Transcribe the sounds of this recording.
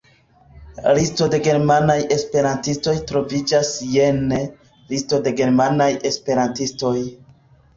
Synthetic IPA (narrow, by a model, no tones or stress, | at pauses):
listo̞de̞ɡe̞ɾmanaje̞spe̞ɾantisto̞jtɾo̞vid͡ʒasjene | listo̞de̞ɡe̞ɾmanaje̞spe̞ɾantisto̞j